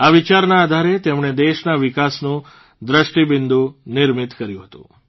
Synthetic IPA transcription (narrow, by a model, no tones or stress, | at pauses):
aʋit͡ʃaɾnaːd̪ʱaɾet̪emɳ̃ed̪eʃnaʋikasnũ | d̪ɾəʃʈibɪnd̪unɪɾmit̪kəɾjũɦət̪ṵ̃